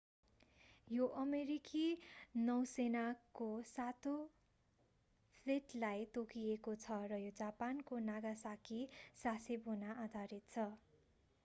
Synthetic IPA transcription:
joʔʌmeɾikinʌwsenakosat̪o | pʰleʈlajt̪okiekot͡sʰʌrʌjod͡zapankonaɡasakʰisasebʱunaʔad̪ʱaɾit̪̚t͡sʰʌ

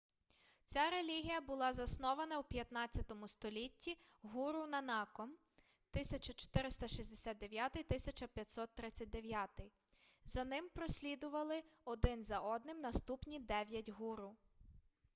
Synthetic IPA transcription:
t͡sʲaɾelʲiɦʲijɐbʊlˠɑzɐsnɔʋɐnɐwpʲjɐt̪nɑt͡sʲːɐt̪ɔmʊst̪ɔlʲitʲːiɦuɾʊnɐnɑkɔm | t̪ɪsʲɐt͡ʃɐt͡ʃɔ̥t̪ɪɾɪst̪ɐʃizʲd̪esʲat̪̚d̪e̞ʋjat̪ɪjt̪ɪsʲɐt͡ʃɐpʲjɐt̪ʲsɔt̪ːɾɪt͡sʲːɐt̚ʲd̪eʋʲjat̪ɪj | zɐnɪmpɾɔsʲlʲid̪ʊʋɐlˠɪɔd̪ɪnzɐʔɔd̪nɪmnɐst̪upnʲid̪ɛʋʲjɐtʲɦuɾʊ

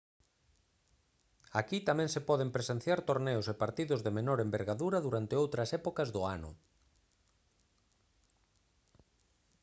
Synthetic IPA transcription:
akit̪amɛ̃ŋsepɔðempɾesen̟θjaɾt̪oɾneʊsɪpaɾt̪iðʊzðemenɔɾembeɾɣaðuɾɐðuɾant̪ɪowt̪ɾɐsɛpokɐzðʊanʊ̰

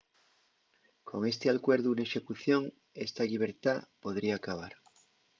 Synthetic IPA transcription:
kʰo̞ŋe̞st̪ealkweɾðuneʃe̞kuθjo̞ŋ | est̪aʎiβ̞eɾt̪apo̞ðɾiaːkaβ̞aɾ

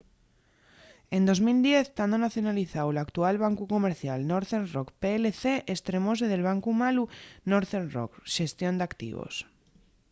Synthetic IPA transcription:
ẽ̞nd̪o̞zmild̪je̞θt̪and̪onaθjonaliθawelakt̪ualβ̞aŋkukomeɾθjalnoɾθenrokpeːleθe̞ʔest̪ɾe̞mo̞s̬eð̞e̞lβ̞aŋkumalunoɾθenro̰kʃe̞st̪jo̞nd̪akt̪ḭβo̰s

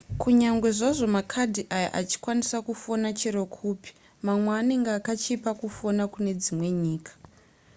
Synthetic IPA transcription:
kuɲaŋɡwe̞ʐaʐo̞makʰadʱiʔaja̰ʔat͡ʃi̥kwanisakufonat͡ʃiɾokʰuːpi̥ | mamweaːneŋɡaːkat͡ʃipakufo̞nakune̞d͡zimwe̞ɲiːkḁ

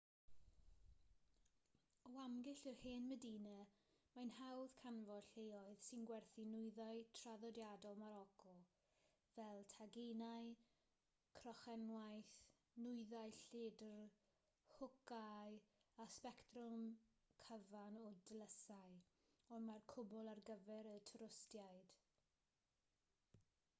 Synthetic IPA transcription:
ɔamɡɪɬərhɪːnmədinə | manhawð̥kʰanvɔd̥ɬejɔɨðsɪnɡwɛrθinʊɨðaɨtʰraðɔdjadɔlˠmaɾɔkʰɔlˠ | vɛlˠtʰaɡenaj | kʰrɔχɛnwajθ | nʊɨðajɬɪdr | hʊkaj | aspɛktrʊm | kʰəvanɔdləsaj | ɔmarkʰʊbʊlˠarɡəvɛɾətʰəɾʊstjajd̥

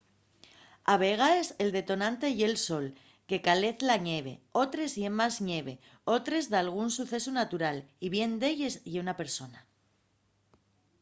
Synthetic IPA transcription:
aβ̞e̞ɣ̞ae̞se̞ld̪e̞t̪o̞nãnt̪e̞je̞lso̞l | ke̞kale̞θlaɲe̞β̞e̞̰o̞t̪ɾe̞zjemːazɲe̞β̞e̞ | o̞t̪ɾe̞zðalɣ̞unsuθe̞sunat̪uɾaliβje̞nd̪e̞ʎe̞zjeunape̞ɾso̞na

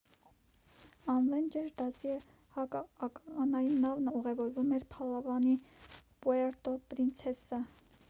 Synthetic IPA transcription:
ɑnlɛnd͡ʒɛɾd̪ɑsiɛ | hɑkɑɑkɑnɑjnɑvnəuʁɛvɔɾvumɛɾpʰɑlɑvɑnipuɛɾt̪ɔpɾint͡sʰɛsə

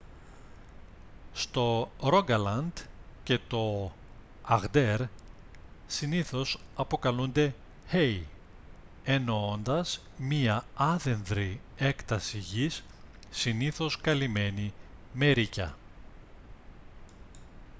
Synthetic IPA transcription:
st̪o̞ɾo̞ɡɐlɐnd̪ce̞t̪o̞ | ɐɣd̪e̞ɾ | siniθo̞sɐpo̞kɐlund̪e̞ | hej | enoond̪ɐz | miɐɐðe̞nðɾie̞kt̪ɐsiʝisː | iniθo̞skɐlime̞nime̞ɾicɐ̰

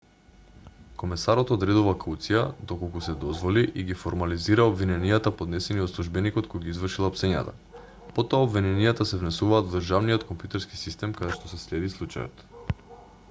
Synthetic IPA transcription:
komɛsaɾot̪od̪ɾɛd̪ɔvakaut̪sijad̪okolˠkusɛd̪ɔzvoliʔiɡifoɾmaliziɾaobvinɛnijat̪apod̪nɛsɛniot̪slˠuʒbɛnikot̪̚kojɡizvrʃilˠapsɛɲa̰t̪a̰ | pot̪oaobvinɛnijat̪asɛvnɛsuvaːd̪vd̪ərʒavniot̪kompjut̪ɛɾski̥sist̪ɛmkad̪ɛʃt̪ɔsɛslɛd̪islˠut͡ʃa̰jɔ̰t̪

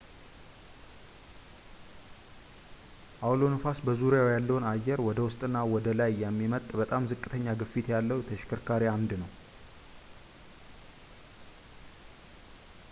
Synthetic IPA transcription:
ʔawlonəfasbəzuɾjawjalːəwnajːɛɾwɔd̪əwʊst̪ʼɨnːawɔd̪əlajːɛmːimət̪ʼbət̪ʼamzɨkʼːɨt̪ʰəɲːaɡɨfit̪jalːəwt̪ʰəʃkʰəɾkʰaɾiamd̪nəw

